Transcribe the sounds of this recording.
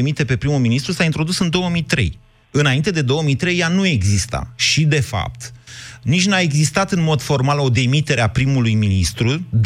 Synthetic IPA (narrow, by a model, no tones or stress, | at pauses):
emit̪e̞pe̞pɾimuminist̪ɾusaint̪ɾo̞d̪usɨnd̪o̞wəmijt̪ɾe̞̰j | ɨnaint̪e̞d̪e̞d̪o̞wəmit̪ɾe̞janue̞ɡzist̪a̰ʃid̪e̞fa̰p̚t̪nit͡ʃʲnae̞ɡzist̪at̪ɨnmo̞d̪fo̞rmalo̞d̪e̞mit̪e̞ɾeapɾimulujminist̪ɾud̪